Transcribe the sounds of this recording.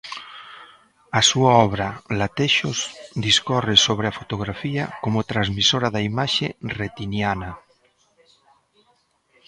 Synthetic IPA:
asuaɔβɾalat̪eʃosd̪iskɔresoβ̞ɾeafot̪oɣɾafiakomot̪ɾazmisoɾaðaimaʃeret̪injana

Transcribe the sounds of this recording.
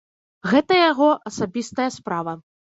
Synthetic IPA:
ɣɛt̪ɐjaɣɔʔɐsabʲist̪ɐjɐspɾavɐ

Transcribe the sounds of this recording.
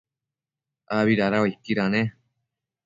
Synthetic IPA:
aβiɾaɾawaikːiɾane

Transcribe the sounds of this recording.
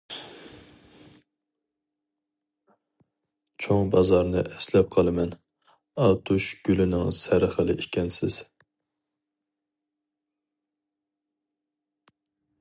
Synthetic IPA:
t͡ʃʰoŋbɑzɑɾnɨʔɛslɛp̚qʰɑlˠɨmɛn | ɑt̪ʰuʃɡ̥ʲylɪnɪŋsæɾχəlˠɪʔikʲʰɛnsɪz̥

